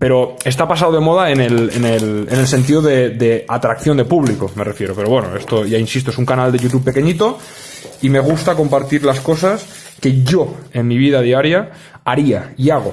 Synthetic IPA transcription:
pe̞ɾo̞est̪apas̬awð̞emo̞ð̞aenelḛnelene̞lse̞nt̪̬iðoðed̪e̞at̪ɾakθjo̞nd̪e̞puβliko̞merefje̞ɾope̞ɾo̞βweno̰e̞st̪oʝainsist̪oesuŋkanald̪e̞ʝut̪̬uppːe̞ke̞ɲit̪o | ime̞ɣ̞ust̪ako̞mpaɾt̪iɾlasko̞sas | keʝo̞enmiβ̞iðað̞iaɾja | aɾiaiaɣ̞o

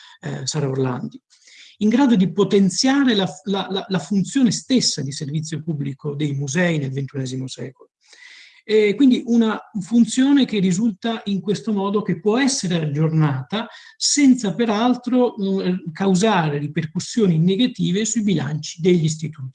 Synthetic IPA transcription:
saɾaorla̰nd̪i | iŋɡɾaːd̪od̪ipot̪ent̪sjaːɾelalalalafunt̪sjoːnest̪esːad̪iservit̪sjopubːlikod̪ejmuzɛinelvent̪unɛːzimosɛ̰ːkolo | kwind̪iʔunafunt̪sjoːnekerːizult̪aʔiŋkwest̪omɔːd̪ok̟epːwɔɛsːeɾead͡ʒornaːt̪a | sɛnt̪sapeɾalt̪ɾokawzaːɾeriperkusːjoːniːnːeɡat̪iːvesuibila̰nt͡ʃi̥d̪eʎːis̬t̪it̪uːt̪i̥

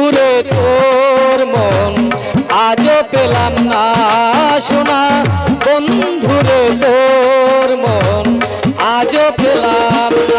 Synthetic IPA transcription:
uɾedoɾmɔn | ad͡ʑopelamna | ʃonabond̪ʱuɾed̪o | ɾmɔn | ad͡ʑopʰelam

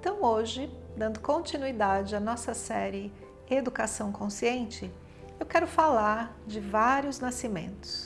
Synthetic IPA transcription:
ẽt̪ɐ̃w̃oʒɪd̪ɐ̃nd̪ʊkõnt͡ʃinuid̪ad͡ʒɪɐnɔsɐsɛɾɪ | ed̪ukasɐ̃w̃kõsiẽnt͡ʃɪ | ewkɛɾʊfalaɾd͡ʒɪvaɾjʊznasimḛ̃nt̪ʊ̥s

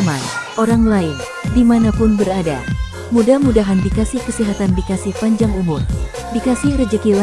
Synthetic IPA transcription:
manoɾaŋlaɪn | dimanapʊnbəɾada̰ | mudahmudaɦanbikasɪhkəsiɦat̪andikasɪhpaɲd͡ʒaŋumʊr | dikasɪhrəd͡ʒəkila

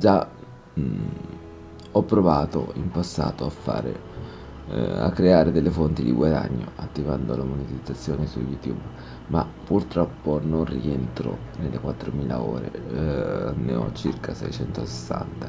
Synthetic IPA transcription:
d͡ʒa | ɔpːɾovaːt̪o̰impasːaːt̪oafːa̰ːɾḛ | a̰kːɾeaːɾed̪elːefont̪id̪ḭɡwad̪a̰ɲːoʔat̪ːivand̪olamonit̪id̪zːat̪sːjoːnesujut̪jub | mapːurt̪ɾɔpːononrient̪ɾo̰nelːekwat̪ːɾomiːlao̰ːɾḛ | neɔ̰t͡ʃirkʰasɛjt͡ʃɛnt̪ose̥sːa̰nt̪a

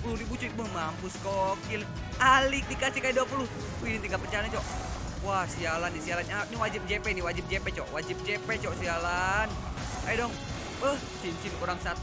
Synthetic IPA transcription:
blunibut͡ʃɔik̚məhmampuskɔkil | alik̚dikasikajiduapuluh | uidint̪iŋɡalpət͡ʃanat͡ʃɔʔ | wahsialanːisialananiwad͡ʒip̚d͡ʒɛpɛniwad͡ʒip̚d͡ʒɛpɛt͡ʃɔʔwad͡ʒip̚d͡ʒɛpɛt͡ʃɔʔsialan | kajadɔŋ | əh | t͡ʃint͡ʃinkuɾaŋsat̪

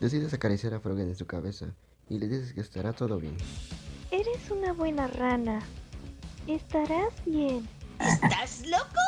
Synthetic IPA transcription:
d̪es̬iðe̞sakaɾisjaɾafɾoɣenensukaβe̞sa̰ | ile̞ðis̬eskeːst̪aɾat̪o̞ðo̞βje̞̰n | e̞ɾe̞sunaβwe̞narana | est̪aɾazbjenest̪azloko

